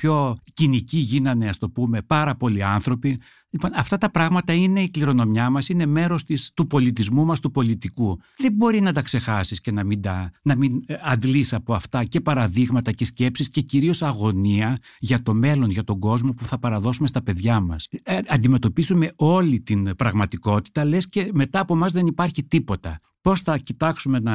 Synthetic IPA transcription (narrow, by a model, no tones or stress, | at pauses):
pço̞ciniciʝinɐne̞ɐst̪o̞pume̞pɐɾɐpo̞liɐnθɾo̞pi | liponɐft̪ɐt̪ɐpɾɐɣmɐt̪ɐine̞ikliɾo̞no̞mjɐmɐsine̞me̞ɾo̞st̪ist̪upo̞lit̪izmumɐst̪upo̞lit̪iku | ðe̞bo̞ɾinɐt̪ɐkse̞xɐsisce̞nɐmind̪ɐnɐminɐnd̪lisɐpo̞ɐft̪ɐce̞pɐɾɐðiɣmɐt̪ɐce̞sce̞psisce̞ciɾio̞sɐɣo̞niɐ | ʝɐt̪o̞me̞lo̞nʝɐt̪o̞ɡo̞zmo̞puθɐpɐɾɐðo̞sumest̪ɐpe̞ðʝɐmɐsɐnd̪ime̞t̪o̞pizume̞o̞lit̪inpɾɐɣmɐt̪iko̞t̪i̥t̪ɐle̞sce̞me̞t̪ɐːpomɐzðe̞nipɐɾçit̪ipo̞t̪ɐ | po̞sθɐcit̪ɐksume̞nɐ